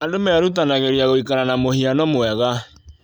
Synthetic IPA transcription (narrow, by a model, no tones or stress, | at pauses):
adomɛɾutanaɣeɾiaɣoikaɾanamohianɔmwɛɣa